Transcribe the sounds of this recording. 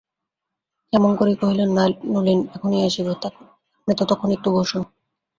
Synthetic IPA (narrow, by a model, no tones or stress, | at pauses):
ɛmonkoɾikoɦilenːalnulinɛkʰoniaʃibot̪a | et̪ot̪ɔkʰːonit̪ːuboʃu